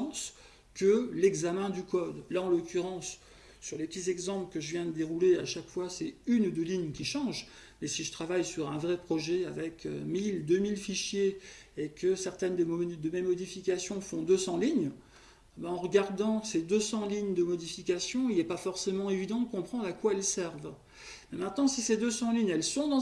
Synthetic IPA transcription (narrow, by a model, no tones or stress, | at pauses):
s | kəlɛɡzamɛ̃d̪ykɔd̪laɑ̃lɔkʲyʁɑ̃sː | yʁlepət̪izɛɡzɑ̃plkəʒəvjɛ̃d̪əd̪eʁuleaʃakfwasɛynd̪əliɲkʲiʃɑ̃ʒ | mɛsiʒət̪χavajsyʁɛ̃vʁɛpχɔʒɛa̰vɛkø̰mild̪ømilfiʃjeekəsɛʁt̪ɛnd̪əd̪əmɛmɔd̪ifikasjɔ̃fɔ̃d̪øsɑ̃liɲ | baɑ̃ʁəɡaʁd̪ɑ̃sed̪øsɑ̃liɲd̪əmɔd̪ifikʲasjɔ̃ilɛpafɔʁsemɑ̃evid̪ɑ̃d̪əkɔ̃pχɑ̃d̪ʁakwaɛlsɛʁv | mɛmɛ̃t̪nɑ̃sised̪øsɑ̃liɲɛlsɔ̃d̪ɑ̃